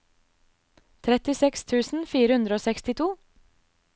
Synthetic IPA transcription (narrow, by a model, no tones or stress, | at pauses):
t̪ʰɾɛt̪ɪsɛkst̪ʰʉːsn̩fiːɾəʉnd̪ɾəoːsɛkst̪ɪt̪ʰuː